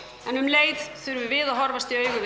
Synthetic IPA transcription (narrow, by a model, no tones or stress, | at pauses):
ɛnʏmleːjðθʏɾvɪvɪðaɦɔɾvast̪iœːɥɣʏv